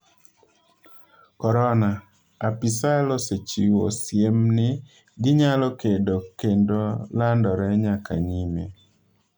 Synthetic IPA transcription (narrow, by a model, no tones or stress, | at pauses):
kɔɾɔna | apisalɔset͡ʃiwosjemnɪ | ɡɪɲalɔkedokendolandɔɾɛɲakʰa̰ɲime